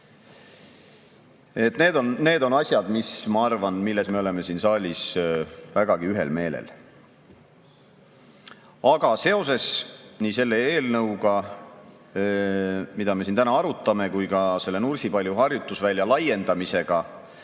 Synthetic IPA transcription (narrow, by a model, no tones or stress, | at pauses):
e̞t̪ne̞ːd̪o̞nne̞ːd̪o̞nɑsʲjɑd̪̥mismɑɑrvɑnmilːe̞sme̞o̞le̞me̞sinsɑːlʲisvæɡ̥ɑɡ̥iyɦe̞̰lme̞ːlḛl | ɑɡɑse̞o̞s̬e̞snise̞lːe̞e̞ːlnɤwɡɑ | mid̪̥ɑme̞s̬int̪ænɑɑɾut̪ːˑɑme̞kujkɑse̞lːe̞nursipɑlʲjuɦɑrjut̪ːˑusvælʲːjɑlɑje̞nd̪ɑmise̞ɡ̥ɑ